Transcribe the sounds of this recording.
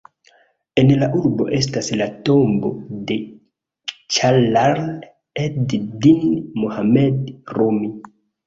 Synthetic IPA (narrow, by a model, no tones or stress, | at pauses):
e̞nlaʔuɾbo̞̰ʔe̞staslato̞mbo̞̰de̞ | t͡ʃalaɾl | eddinmuhamedromi